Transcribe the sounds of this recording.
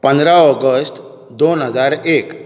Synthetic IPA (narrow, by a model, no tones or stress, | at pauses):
pə̃nd̪ɾaɔɡəsʈ | d̪onɦəd͡zaɾek